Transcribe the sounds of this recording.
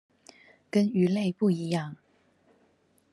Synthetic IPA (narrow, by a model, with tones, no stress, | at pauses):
kə˦ny˨˧˥le˥˧ɪpu˥˩i˨˧˦jɑ˥˩˨ŋ